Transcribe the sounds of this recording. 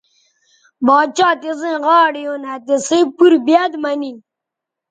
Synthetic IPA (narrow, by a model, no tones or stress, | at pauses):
bɑːt͡ʃaːt̪izẽɣɑːɽijonat̪isĩpuɾbjad̪mani